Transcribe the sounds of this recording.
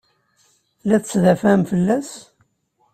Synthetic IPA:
læt͡st͡sːðæfæmfəlːæs

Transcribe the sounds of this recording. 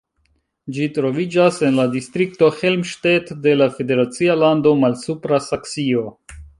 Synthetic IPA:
d͡ʒitɾo̞vid͡ʒase̞nladistɾik̚to̞he̞lmʃtetde̞lafe̞de̞ɾat͡sialando̞malsupɾasaksio̞

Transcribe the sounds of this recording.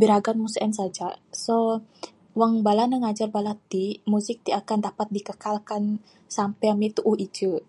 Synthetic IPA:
biɾaɡanmusɛnsad͡ʒaso | waŋbalanaŋad͡ʒarbalat̪imusɪk̚t̪iakandapat̪̚dikəkalkan | sampɛamit̪uʔuhid͡ʒə

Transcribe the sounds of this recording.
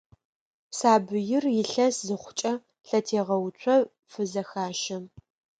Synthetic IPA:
psaːbɨjɪrjɪɬɐszɨχʷʊ̥t͡ʃʼɐ | ɬɐtʰeːʁɐwt͡ɕʷʰɐ | fɨzɐxaːʃɐm

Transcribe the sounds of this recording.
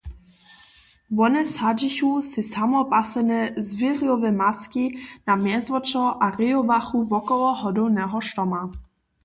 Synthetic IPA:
vɔnɛsad͡ʒiçusɪsamɔpasɛnɛzviriɔvɛmaskinamjɛzvɔt͡ʃɔʔarɪɔbaxuvɔkɔlɔɦɔdɔwnɛɦɔʃt̪ɔma

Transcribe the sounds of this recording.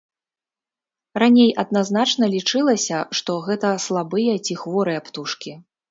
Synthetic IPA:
ranʲejʔɐd̪naznat͡ʂnɐlʲit͡ʂɨlˠɐsʲɐʂt̪ɔɣɛt̪ɐslˠabɨjɐt͡sʲixvɔɾɨjɐpt̪uʂkʲi

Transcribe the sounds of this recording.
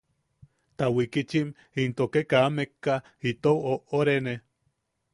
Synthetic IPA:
t̪awikit͡ʃim | int̪okekaːmekːa | it̪owoʔoɾene

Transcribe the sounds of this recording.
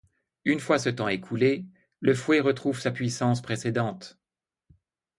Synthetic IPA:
ynfwasət̪ɑ̃ekʰule | ləfwɛʁət̪χuvsapɥisɑ̃spχesed̪ɑ̃t̪

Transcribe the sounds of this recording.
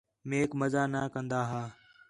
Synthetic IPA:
meːkməzaːnaːkə̃nd̪aːɦaː

